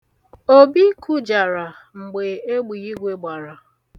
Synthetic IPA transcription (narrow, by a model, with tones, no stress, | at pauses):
o˦bi˦kʰu˦d͡ʒa˨ɾa˨ | ŋ͡m̩˨ɡ͡be˨e˦ɡ͡bi˨i˦ɡʷe˦ɡ͡ba˨ɾa˨